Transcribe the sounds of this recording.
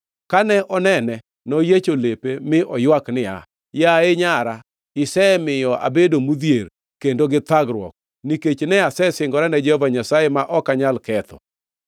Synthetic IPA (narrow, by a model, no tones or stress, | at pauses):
kanɛʔɔnɛnɛ | nɔjet͡ʃolepemɪʔɔjwaknɪa̰ | jaeɲaɾa | ɪsɛmɪjɔʔa̰bedomud̪jeɾ | kendoɡɪt̪aɡɾwɔ̰k̚ | niket͡ʃnɛasɛsɪŋɡɔɾanɛd͡ʒɛhovaɲasajemaʔɔkaɲalkɛt̪ɔ̰